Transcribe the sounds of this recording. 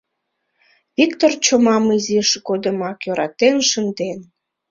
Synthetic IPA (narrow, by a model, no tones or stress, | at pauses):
βikt̪ort͡ɕomɑmiziʃɡod̪əmɑkjøɾɑt̪enʃənd̪en